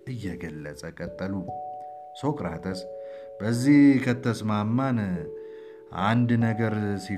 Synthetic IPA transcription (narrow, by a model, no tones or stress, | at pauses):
ʔɨjːɛɡəlːət͡sʼəkʼət̪ʼːəlu | sokʼɨɾa̰t̪ʰəs | bəzːihkʰət̪ʰːəsmamːan | ʔand̪nəɡəɾsi